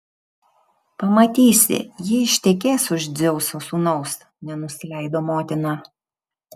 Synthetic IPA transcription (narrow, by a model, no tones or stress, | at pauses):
pɐmɐt̪ʲiːsʲɪ̰jɪɪʃʲt̪ʲɛkʲeːsʊʒd̪zʲɛʊsoːsuːnɒʊs | nʲɛnʊsʲɪlʲæɪd̪oːmoːt̪ʲɪnɑː